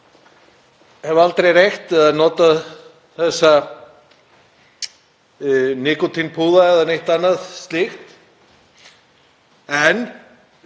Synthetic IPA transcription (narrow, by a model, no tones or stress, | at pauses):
hɛvʏalt̪ɾejrejxt̪aðnɔːt̪að | θɛsːa | nɪːkʊt̪ʰinpʰuːðaɛðanejht̪anːaðst̪lixt̪ | ɛn